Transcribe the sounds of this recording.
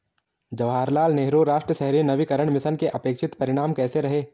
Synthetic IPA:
d͡ʒɐʋɦaːɾlaːlneːɦɾoːɾaːʃʈɾəʃɛɦɾinɐʋikɐɾəɳ̃mɪsənkeʔɐpeːkʃɪt̪pɐɾɪɽ̃aːmkɛːseɾɐɦeː

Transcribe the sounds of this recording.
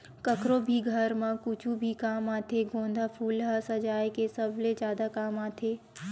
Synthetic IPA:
kəkɾobʱiɡʱɐɾmãkut͡ʃʰubʱikaːmaːt̪ʰeɡõːnd̪ʱapʰuːlɦasɐd͡ʒaːjkesəbled͡ʒjaːd̪akaːmaːt̪ʰeː

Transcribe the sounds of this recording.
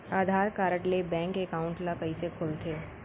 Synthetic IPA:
aːd̪ʱaːɾkaːɾəʈlebɛ̃ːŋkekaːʊ̃ɳʈlakɐisekʰoːlt̪ʰeː

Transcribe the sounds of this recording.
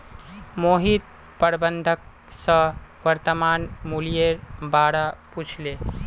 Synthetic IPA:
moɦit̪̚ | pəɾbənd̪ʱək̚ | sʌ̃wəɾt̪əmanmulijeɾbaɾaput͡ʃʰle

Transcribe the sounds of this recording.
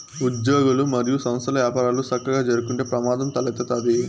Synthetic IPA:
ud̪joːɡulumɐɾijusɐmɐst̪ɐlɐʋjaːpaːɾaːlusɐkːɐɡaːd͡ʒɐɾukuɳʈeːpɾɐmaːd̪ɐmt̪ɐlɐt̪ːɐt̪aːd̪i

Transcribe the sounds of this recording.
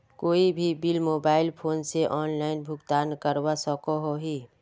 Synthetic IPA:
koːibʱibilmoːbaːɪlpʰoːnseʔɔːnlaːɪnbʱʊɡt̪aːnkəɾwasɔkoɦoɦiː

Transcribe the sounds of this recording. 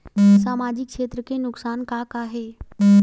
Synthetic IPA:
saːmaːd͡ʒɪkʃeːt̪ɾəkenʊksaːnkakaːɦeː

